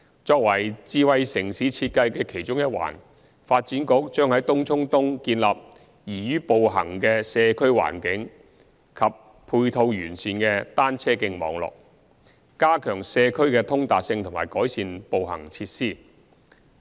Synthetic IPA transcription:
t͡ʃɔː˧k̚wɐ˨˩jt͡siː˧wɐ˨˧jsɪ˨˩ŋsi˨˥t͡sʰiː˧t̚kɐ˧jkɛː˧kʰe˨˩jt͡ʃʊ˥ŋjɐ˥t̚wa̰ː˨˩n | faː˧t̚t͡siː˨˥nkʊ˨˥k̚t͡ʃœː˥ŋhɐ˨˥jt̪ʊ˥ŋt͡sʰʊ˥ŋt̪ʊ˥ŋkiː˧nla̰ː˨p̚ | jiː˨˩jyː˥po˨wɦɐ̰˨˩ŋkɛ˧sɛː˧kʰɵ˥ɥwa̰ː˨˩nkɪ˨˥ŋ | kʰɐ˨p | pʰuː˧jt̪ʰo˧wjyː˨˩nsiː˨˧nkɛ˧t̪aː˥nt͡sʰɛː˥kɪ˧ŋmɔ̰ː˨˧ŋlɔ̰ː˨k̚ | kaː˥kʰœː˨˩ŋsɛː˧kʰɵ˥ɥkɛː˧t̪ʰʊ˥ŋt̪aː˨k̚sɪ˧ŋt̪ʰʊ˨˩maː˨˩jkɔː˨˥jsiː˨˧npo˨wɦɐ̰˨˩ŋt͡sʰiː˧t̚siː˥˩

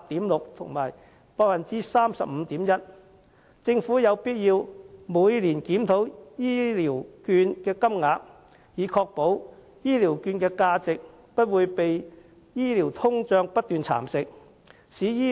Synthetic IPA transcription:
t̪iː˨˥mlʊ˨k̚t̪ʰʊ˨˩ŋma̰ː˨˩j | pɔː˧kfɐ˨nt͡siː˥saː˥msɐ̰˨p̚m̩ː˨˧t̪iː˨˥mjɐ˥t̚ | t͡sɪ˧ŋfuː˨˥jɐ˨˧wpiː˥t̚jiː˧wmuː˨˧jliː˨˩nkiː˨˥mt̪ʰo˨˥wjiː˥liː˨˩wkyː˧nkɛː˧kɐ˥mŋaː˨˧k̚ | jiː˨˧kʰɔː˧k̚po˨˥w | jiː˥liː˨˩wkyː˧nkɛː˧kaː˧t͡sɪ˨k̚ | pɐ˥t̚wuː˨˧jpe˨j | jiː˥liː˨˩wt̪ʰʊ˥ŋt͡sœː˧ŋpɐ˥t̚t̪ːyː˨nt͡sʰa̰ː˨˩msɪ˨k̚ | siː˨˥jiː˥

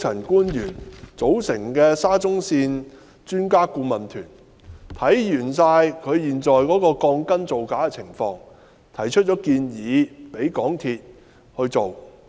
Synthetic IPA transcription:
t͡sʰɐ˨˩nkuː˥njyː˨˩nt͡so˨˥wsɪ˨˩ŋkɛː˧saː˥t͡sʊ˥ŋsiː˧n | t͡ʃyː˥nkaː˥kuː˧mɐ˨˩nt̪ʰyː˨˩n | t̪ʰɐ˨˥jjyː˨˩nsaː˧jkʰɵ˨˧ɥjiː˨˩nt͡sɔː˨˩jkɔː˨˥kɔː˧kɔː˧ŋkɐ˥nt͡so˨wkaː˨˥kɛ˧t͡sʰɪ˨˩ŋfɔː˧ŋ | t̪ʰɐ˨˩jt͡ʃʰt̚t͡ʃɔː˨˥kiː˧njiː˨˧pe˨˥jkɔː˨˥ŋt̪ʰiː˧t̚ | hɵ˧ɥt͡so˨w

